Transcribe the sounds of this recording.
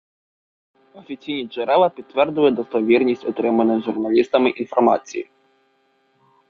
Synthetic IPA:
ɔfʲisʲinʲiʐɛɾɛlˠɐpʲit̪ːvʲɛrzvɨjɛd̪ɔst̪ɐvʲirnʲisʲtʲɔt̪ɾɛmɐnɨjʐurnalʲist̪ɐmɨʔinfɔrma̰sʲḭjḭ

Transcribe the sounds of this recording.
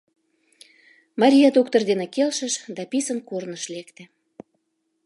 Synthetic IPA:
mɑɾʲijɑd̪ok̚t̪ərd̪enĕkelʃə̆ʃd̪ɑpisənkornəʃlekt̪ĕ

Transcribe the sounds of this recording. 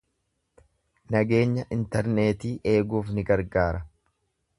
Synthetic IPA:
nɐɡe̞ːɲːɐʔɪnt̪ɛɾneːt̪iːʔe̞ːɡuːfnɪɡɐɾɡaːɾɐ

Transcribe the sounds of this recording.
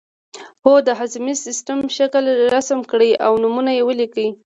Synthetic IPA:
hod̪əɦazmisɪsʈəmʃakəlɾasəmkɽəjawnumunajewəlikəj

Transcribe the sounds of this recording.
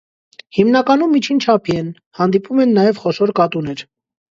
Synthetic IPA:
himnɑkɑnumːit͡ʃʰint͡ʃʰɑpʰiɛn | hɑnd̪ipumɛnːɑjɛvχɔʃɔɾkɑt̪unɛɾ

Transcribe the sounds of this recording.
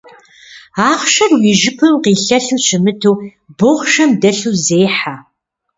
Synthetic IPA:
aːχʃɐrwiːʒɪpʰɨmqiːɬɐɬuːɕʰɪmɨtʰuː | boʁʃɐmdɐɬuːzeːħa

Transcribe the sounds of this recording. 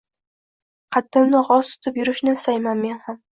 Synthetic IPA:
qʰɑt̪ːɪmnɪʁɒst̪ʰʊ̥t̪ʰɪpjʊɾɪʃnɪɪsajmanme̞nham

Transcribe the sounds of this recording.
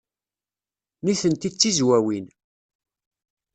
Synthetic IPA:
niθənt̪it͡sːizwæwin

